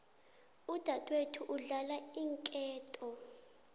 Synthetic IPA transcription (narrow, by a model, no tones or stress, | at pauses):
ud̥ʱatʼwetʰuʔuɮalaiŋkʼɛːtʼɔ